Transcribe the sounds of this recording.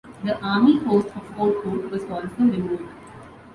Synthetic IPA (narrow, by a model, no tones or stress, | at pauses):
d̪əʔaːmihoːsʈɔʋoːʈhoːʈʋɔzɔːlsoːɾɪmuːɖɖ